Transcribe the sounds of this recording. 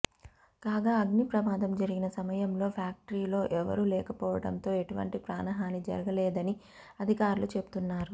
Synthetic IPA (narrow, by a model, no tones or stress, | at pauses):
kaːɡaːɐɡnipɾɐmaːd̪ɐmd͡ʒɐɾiɡinɐsɐmɐjɐmlo̞ːpʰjaːk̚ʈɐɾiːlo̞ːʔɛʋɐ̰ɾuːlɛːkɐpɔːʋɐ̰ɽɐ̰nt̪o̞ːe̞ʈuʋɐ̰ɳʈipɾaːnɐɦaːnid͡ʒɐ̰ɾɐɡɐleːd̪ɐni | ɐd̪ʱikaːɾulut͡ʃe̞pu̥t̪unːaːɾu